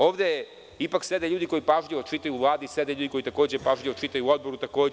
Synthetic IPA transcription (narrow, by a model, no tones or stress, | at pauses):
o̞ːʋd̪eje | ipaksed̪eʎuːd̪iko̞ipaʒʎʲiʋot͡ʃit̪ajuʋlˠaːd̪ised̪eʎuːd̪iko̞jit̪ako̞ːd͡ʑepaʒʎʲiʋot͡ʃit̪ajuːo̞d̪̚bo̞ɾut̪ako̞ː